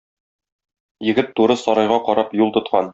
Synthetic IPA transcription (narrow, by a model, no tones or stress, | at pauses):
jɘ̆ɡɘt̪ːuɾɤsɒɾɑjʁɑqɒɾɑpjulˠt̪ŏt̪̚qɑn